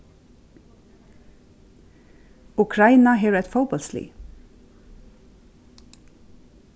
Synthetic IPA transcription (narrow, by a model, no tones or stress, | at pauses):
ʊkʰɹɑɪnɑheːʋɛt̪fəʊbɔlslḭː